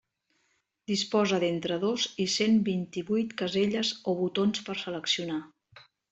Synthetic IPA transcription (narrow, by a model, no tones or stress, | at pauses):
d̪ispɔzəðent̪ɾəðozisembint̪iβujt̪kəzeʎəzoβut̪onspəɾsələksiuna